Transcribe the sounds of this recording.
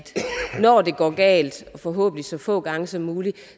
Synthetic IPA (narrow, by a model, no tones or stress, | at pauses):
d̥nɒd̥e̝ɡ̥ɒ̰ːɡ̥ɛ̰ːld̥ɒ̽fɒ̽ɦɔ̰̽ːb̥n̩isɒ̽fɔ̰̽ːɡ̥ɑ̈ŋəsɒ̽mːuːli